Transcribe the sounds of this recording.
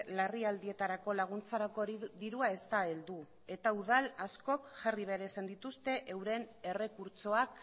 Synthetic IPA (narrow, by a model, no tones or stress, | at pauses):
lariald̪ie̞t̪aɾako̞laɣ̞unt͡saɾakoðiɾuae̞st̪ae̞ld̪u | e̞t̪auðalasko̞kʝariβe̞ɾeːsand̪it̪ust̪e̞ʔewɾe̞ne̞re̞kuɾt͡so̞ak